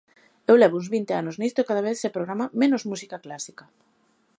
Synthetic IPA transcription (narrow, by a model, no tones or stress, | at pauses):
ewlɛβoũnzβint̪eanoznist̪oekaðaβ̞eθsepɾoɣɾamamẽnozmusikaklasikɐ